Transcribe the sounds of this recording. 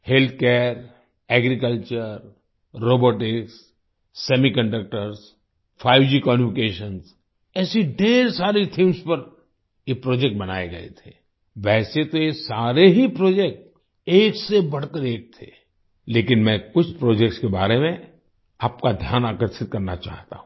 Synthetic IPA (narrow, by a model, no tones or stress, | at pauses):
helt̪̚ʰkɛːɾ | ɛːɡɾikəlt͡ʃəɾː | oːboːʈɪksː | ɛmikə̃ɳɖək̚ʈəɾs | fʰaːɪʋd͡ʒikɔːmʊɪkeːʃəns | ɛːsiɖeːɾsaːɾit̪ʰĩːmspɐɾ | jepɾoːd͡ʒɛk̚ʈ̚bɐna̰ːeɡɐḛt̪ʰe̥ː | ʋɛːset̪ojesaːɾeɦipɾoːd͡ʒek̚ʈ | eːksebɐɽ̤kəɾeːk̚t̪ʰe | leːkɪnmɛ̃kʊt͡ʃʰpɾoːd͡ʒɛk̚ʈskeba̰ːɾemẽ | aːp̚kad̪ʱjaːnaːkəɾsɪt̪̚kɐɾna̰t͡ʃa̰ːɦt̪a̰ɦũ